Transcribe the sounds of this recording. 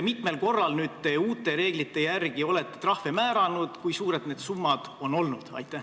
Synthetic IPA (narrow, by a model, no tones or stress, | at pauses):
mit̪me̞lko̞rːɑlnyːd̪̥̚t̪e̞uːt̪ːˑe̞ɾe̞ːɡlit̪ːe̞jærɡ̥io̞le̞t̪ːˑe̞t̪rɑhve̞mæːɾɑnud̪̥kujsuːɾe̞d̪ne̞ːd̪̥sumːɑd̪̥o̞nːo̞lnud̪̥ɑ̰jt̪ːˑæh